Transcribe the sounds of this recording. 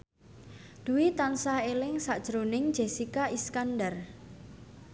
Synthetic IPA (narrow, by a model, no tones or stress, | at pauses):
d̪̥uwit̪ansahelɪŋsaʔd̥ʒ̥ɾonɪŋ̥d͡ʒ̥esikaʔiskandər